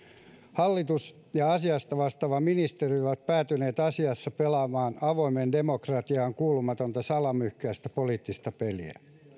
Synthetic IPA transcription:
hɑlːit̪us | jɑɑsiɑst̪ɑʋɑst̪ɑʋɑminist̪erioʋɑt̪̚pæːt̪yneːt̪ɑsiɑsːɑpelɑmɑːnɑʋoimendemokrɑt̪iɑːŋkuːlumɑt̪ont̪ɑsɑlɑmyhkæːst̪æpoliːt̪ːist̪ɑpeliæ̰

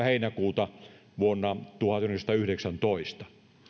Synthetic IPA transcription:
heinækuːt̪ɑ | ʋuonːɑt̪uhɑt̪ynːekst̪ɑyhɾeksænt̪oist̪ɑ̥

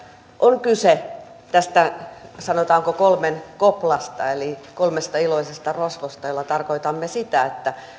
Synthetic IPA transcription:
ʔoŋkyse | t̪æst̪æsɑnot̪ɑːŋkokolmenkoplɑst̪ɑelikolmest̪ɑiloisest̪ɑrosʋost̪ɑjolːɑt̪ɑrkoit̪ɑmːesit̪æet̪ːæ

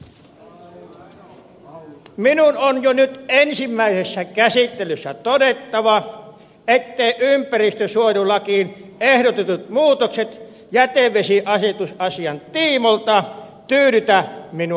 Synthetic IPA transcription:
minunonjonyt̪ensimːæisesːækæsit̪ːelysːæt̪odet̪ːɑʋɑ | et̪ːeiʔympærist̪øsuojulɑkiːnehdot̪et̪ut̪̚muːt̪okset̪ | jæt̪eʋesiʔɑset̪usɑsiɑnt̪iːmolt̪ɑt̪yːɾyt̪æminu

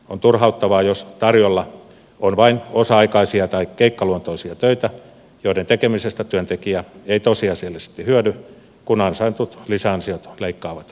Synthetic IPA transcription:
ont̪urhɑut̪ːɑʋɑːjost̪ɑrjolːɑ | onʋɑinosɑɑikɑisiɑt̪ɑikkeikːɑluont̪oisiɑt̪øit̪æ | joiɾent̪ekemisest̪æt̪yønt̪ekiæeit̪osiɑsielːæsi̥t̪ːihyødy | kunɑnsɑint̪ut̪lisæɑnsiot̪leikːɑːʋɑt̪

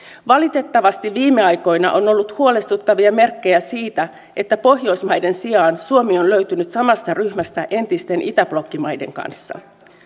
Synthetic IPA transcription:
ʋɑlit̪e̞t̪ːɑʋɑst̪iʋʋiːmːe̞ɑjko̞jnɑ̰ʔo̞no̞lːut̪huole̞st̪ut̪ːɑʋiɑme̞rkːejæsiːt̪æ | e̞t̪ːæpo̞ɦjo̞jsmɑjde̞nsiɑːnsuomionløɥt̪ynyt̪sɑmɑst̪ɑryhmæst̪æʔe̞nt̪ist̪e̞nʔit̪æb̥lo̞kːimɑjde̞̰ŋkɑ̰nsːɑ̰

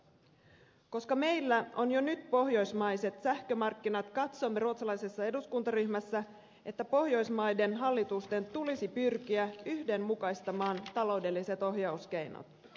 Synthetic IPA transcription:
ko̞skɑme̞jlːæo̞njo̞nyt̪po̞ɦjo̞jsmɑjse̞t̪sæhkømɑrkːinɑt̪kɑt̪somːeɾuot̪sɑlɑjse̞sːɑe̞duskunt̪ɑryçmæsːæ | ʔe̞t̪ːæpo̞hjo̞jsmɑjde̞nɦɑlːit̪ust̪e̞nt̪ulisipyrk̟iæyhde̞mmukɑjst̪ɑmɑːnt̪ɑlo̞wde̞lːise̞t̪o̞ɦjɑusk̟e̞jno̰t̪

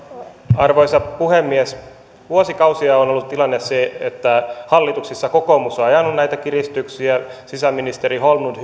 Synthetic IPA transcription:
ɑrʋoisɑpuhemːies | ʋuosikɑusiɑonolːut̪t̪ilɑnːesseet̪ːæhɑlːit̪uksisːɑkokomusɑejɑnːunnæit̪ækirist̪yksiæsisæmːinist̪eɾiholmud

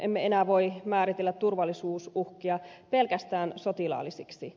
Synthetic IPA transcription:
ʔemːeenæːʋo̞imæːɾit̪elːæt̪t̪urʋɑlːˑisuːsuhkiɑpe̞lkæst̪æːnso̞t̪ilɑ̰ːlːisiksi

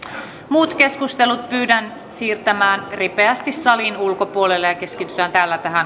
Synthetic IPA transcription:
muːt̪ke̞skust̪e̞lut̪̚pyːdæn | siːrt̪æmæːnripeæst̪isːɑlinulko̞puolelːejɑke̞skit̪yt̪ænt̪æːlːæt̪æɦæn

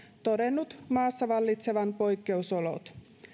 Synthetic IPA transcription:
t̪o̞de̞nːut̪mɑːsːɑʋɑlːit̪se̞ʋɑnpo̞jkːe̞uso̞lo̞̰t̪

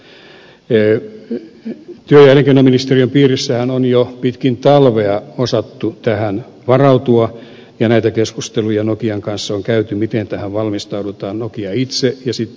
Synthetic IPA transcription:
t̪yøjæleŋkenːɑminist̪eriømpiːrisːæhænonjopit̪kint̪ɑlʋeɑosɑt̪ːut̪æhæn | ʋɑrɑut̪uɑ | jɑnæit̪ækeskust̪elujɑnokiɑŋkɑnsːɑoŋkæyt̪ymit̪ent̪æhæʋʋɑlmist̪ɑudut̪ɑːnnokiɑit̪sejɑsit̪

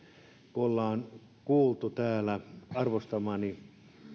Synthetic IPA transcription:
kuolːɑːn | kuːlt̪ut̪æːlæɑrʋost̪ɑmɑːni

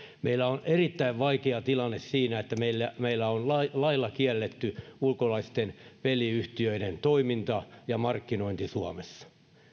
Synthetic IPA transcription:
mʔeilːæonerit̪ːæiʋʋɑikeɑt̪ilɑnːessiːnæet̪ːæmeilːæmeilːæonlɑilɑilːɑkiælːet̪ːyulkolɑist̪enʋeliyht̪iøiɾent̪oimint̪ɑjɑmɑrkːinoint̪isuɑmesːɑ̥

